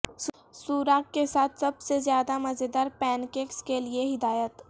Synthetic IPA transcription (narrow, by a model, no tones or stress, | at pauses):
s | suːɾaːkːesaːt̪ʰsɐbsezjaːd̪amɐzed̪aːɾpɛːnkeːkskelieɦɪd̪aːjət̪